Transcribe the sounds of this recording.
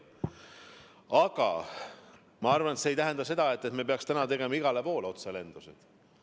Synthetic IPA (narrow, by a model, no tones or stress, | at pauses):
ɑɡ̥ɑ̰ | mɑɑrvɑnet̪sejt̪æɦend̪ɑse̞d̪̥ɑe̞t̪ːe̞t̪mepeɑkst̪ænɑt̪e̞ɡ̥e̞mɑiɡ̥ɑlepo̞ːleo̞t̪sele̞nd̪̥usḛd̪̥